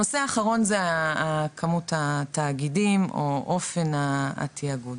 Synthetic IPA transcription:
oseaːχaʁo̞nzeː | kʰamutataːɡidimʔoʔofenaa̰tʰiaɡud

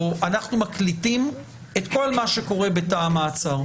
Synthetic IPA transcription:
anaχnumaklitim | e̞tko̞lmaʃe̞ko̞ʁe̞be̞taːmaːt͡saʁ

